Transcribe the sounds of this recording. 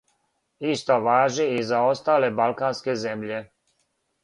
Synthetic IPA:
ist̪oʋaːʒiizaost̪aːlebalˠkaːnskezemʎe

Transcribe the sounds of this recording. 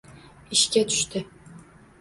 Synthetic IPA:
iʃkʲæt̪ʰy̥ʃt̪ɪ

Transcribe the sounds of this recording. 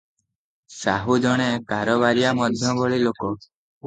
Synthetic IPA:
saɦud͡ʒɔɽ̃ekaɾɔbaɾijamɔd̪ʱjɔbɔɭilokɔ

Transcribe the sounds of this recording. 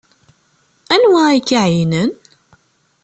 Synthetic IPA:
ænwæikːaʕjnən

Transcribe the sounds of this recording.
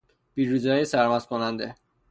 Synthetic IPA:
b̥iɾuzɒːjesæɾmæskʰonænd̪e

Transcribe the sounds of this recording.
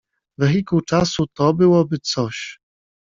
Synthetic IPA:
vɛɣʲikut͡ʂasut̪ɔbɘwɔbɘt̪sɔɕ

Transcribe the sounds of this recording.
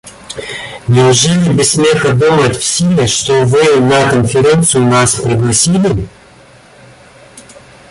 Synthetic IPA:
nʲɪʊʐɛlʲɪbʲɪsːmʲexəd̪umətʲfsʲilʲɪʂt̪ovɨnɐkənfʲɪɾʲent̪sɨjʊnaspɾəɡlˠɐsʲilʲɪ

